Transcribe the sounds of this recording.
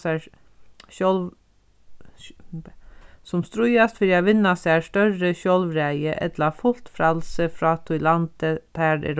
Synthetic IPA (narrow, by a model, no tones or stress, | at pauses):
æ | ʃɔlʋ | sɔmst̪ɾʊʏɑst̪fɪɑʋɪnɑsæːɾʂtœɾəçɔlʋɾæɪəʔɛ̰t̪lɑfʊlt̪fɾɑlsəfɾɑːt̪ʰʊʏlɑnd̪ət̪ʰæːɾɛ̰ɾ